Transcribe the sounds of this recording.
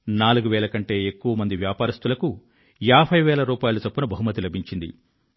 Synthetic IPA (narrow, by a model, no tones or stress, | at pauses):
naːluɡuʋɛːlɐkɐɳʈe̞ːekːuʋɐmɐnd̪iʋjaːpaːɾɐst̪ulɐku | jaːbʱɐjʋɛːlɐɾuːpaːjulut͡ʃɐpːunɐbʱɐɦumɐt̪ilɐbʱiɲt͡ʃind̪ḭ